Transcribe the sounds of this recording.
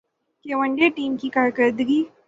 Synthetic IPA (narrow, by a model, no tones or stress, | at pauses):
kewəɳɖeʈimkikaɾkəɾd̪ɡi